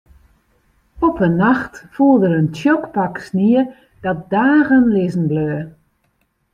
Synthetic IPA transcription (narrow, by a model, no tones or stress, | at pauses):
ɔpənaxtfulˠdərəntjɔkpaksniə | d̥ɔt̚daːɣənlɪzən̩bløːə